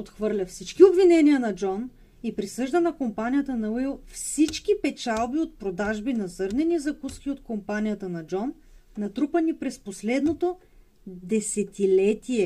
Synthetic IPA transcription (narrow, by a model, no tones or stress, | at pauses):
ot̪xvɤɾlʲɐfsit͡ʃkiobvinɛniənɐd͡ʒɔn | ipɾisɤʒd̪ənɐkompanijət̪ənɐilˠfsit͡ʃk̟ipɛt͡ʃalˠbiot̪̚pɾod̪aʒbinɐzɤɾnɛnizɐkuskiot̪kompanijət̪ənɐd͡ʒɔnː | ɐt̪ɾupɐnipɾɛsposlɛd̪not̪o | d̪ɛsɛt̪ilɛt̪iɛ